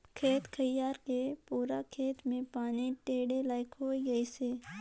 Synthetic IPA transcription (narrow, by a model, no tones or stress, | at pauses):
kʰeːt̪kʰəjaːɾkepuːɾakʰeːt̪mẽpaːniʈeːɽelaːɪkɦoːiɡɐiseː